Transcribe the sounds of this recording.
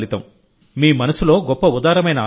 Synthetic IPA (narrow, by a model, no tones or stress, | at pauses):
lit̪ɐm | miːmɐnɐsulo̞ːɡɔpːɐud̪aːɾɐmɐjnɐ